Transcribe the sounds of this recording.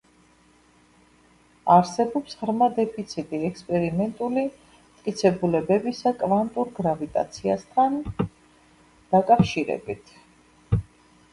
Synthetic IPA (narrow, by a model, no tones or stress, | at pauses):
aɾsɛbɔpsʁɾmad̪ɛpʰit̪sʰit̪ʼiɛkspʼɛɾimɛnt̪ʼuli | mt̪ʼkʼit̪sʰɛbulɛbɛbisakʼvant̪ʼuɾɡɾavit̪ʼa̰t̪sʰiast̪ʰan | d̪̥akʼafʃiɾɛ̰bit̪ʰ